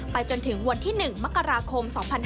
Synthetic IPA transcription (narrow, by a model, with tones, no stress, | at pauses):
pa˧jt͡ɕo˧nt̪ʰɯ˩˦ŋwa˧nt̪ʰiː˥˩nɯ˨˩ŋma˦˥kːa˧ɾaː˧kʰo˧msɔː˩˦ŋpʰa˧n